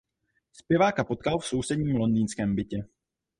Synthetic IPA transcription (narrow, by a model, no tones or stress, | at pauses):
spjɛvaːkapo̞t̪̚kalfso̞wsɛdɲiːmlo̞nd̪iːnskɛːmbɪcɛ